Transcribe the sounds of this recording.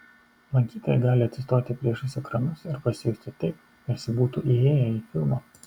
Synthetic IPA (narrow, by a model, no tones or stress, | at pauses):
lˠɐŋʲkʲiːt̪oːjɛɡɑːlʲɪɐt̪sʲɪst̪oːt̪ʲɪpʲɾʲiɛʃʊsʲʊkɾɐnʊsɪɾpɐsʲɪjuːsʲt̪ʲɪt̪ɐɪp̚ʲ | ɛsʲɪbuːt̪uːʔieːjɛiːfʲɪlˠmoː